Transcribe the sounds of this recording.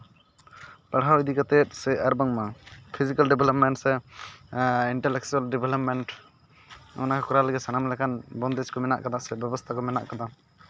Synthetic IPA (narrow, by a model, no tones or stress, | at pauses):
paɽɦawid̪ikat̪ɛt̪̚sɛʔaɾbaŋmapʰizikalɖɛbɛlɔp̚mɛɳʈsɛ | iɳʈɛlɛk̚t͡ʃualɖɛbʱɛlɔp̚mɛɳʈ | ɔ̰nakakɔɾaləɡɛsanamlɛkʰanbɔnd̪ɛskɔmɛna̰ʔkad̪asɛbjɛbɔst̪ʰakɔmɛna̰ʔkad̪a